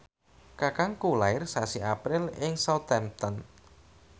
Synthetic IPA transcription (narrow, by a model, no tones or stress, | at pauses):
kakaŋkulaɪrsasiʔapɾɪlɪŋsɔt̪ɛmt̪ɔn